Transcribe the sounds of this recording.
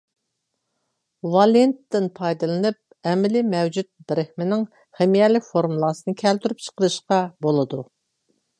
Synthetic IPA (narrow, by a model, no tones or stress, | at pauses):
wɑlˠent̪ːɪnpʰɑjd̪ɨlˠɨnɨp̚ | ɛmɪlɪmɛwd͡ʒyt̪̚bɪɾɪhmɪnɪŋ | χɛmijɛlːɪkʲfoɾmulˠɑsɨnɨkʲʰɛlt̪ʰyɾyp̚t͡ʃʰə̥qəɾɨʃqɑbolˠɨd̪u